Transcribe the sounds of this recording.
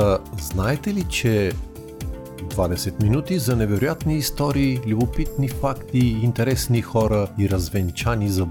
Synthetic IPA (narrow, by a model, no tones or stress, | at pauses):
znaɛt̪ɛlit͡ʃɛ | d̪vad̪ɛsɛt̪minut̪izɐnɛvɛɾʊjat̪niːst̪ɔɾiːlʲubʊpit̪nifakt̪iːnt̪ɛɾɛsnixɔɾəiɾɐzvɛnt͡ʃanizɐ